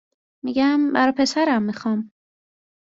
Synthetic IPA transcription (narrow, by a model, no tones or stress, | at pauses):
miɟæmbæɾɒpʰe̞sæɾæmːixɒːm